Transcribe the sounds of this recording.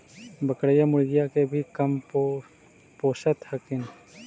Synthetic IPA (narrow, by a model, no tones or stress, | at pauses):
bəkɽəjamʊɽɡɪjakebʱikəm | poːsət̪həkɪn